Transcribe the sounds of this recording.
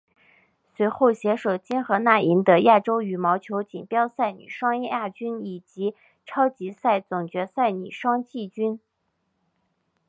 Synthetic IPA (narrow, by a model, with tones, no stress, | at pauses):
swe˧˥ɪxo˥˩ʊɕjɛ˧˥ʂo˨˩ʊt͡ɕi˥nxɤ˧˥na˥˩i˧˥nd̪ə˧ja˥˩ʈ͡ʂo˥ʊy˨˩mɑ˧˥ʊt͡ɕʰjo˧˥ʊt͡ɕi˨˩ŋpjɑ˥ʊsa˥˩ɪny̰˨˩ʂwɑ˥ŋɛ˥˧a˥˩t͡ɕy˥ni˨˩t͡ɕi˧˥ | ʈ͡ʂʰɑ˥ʊt͡ɕi˧˥sa˥˩ɪt͡sʊ˨˩ŋt͡ɕɥɛ˧˥sa˥˩ɪny̰˨˩ʂwɑ˥ŋt͡ɕi˥˩t͡ɕy˥n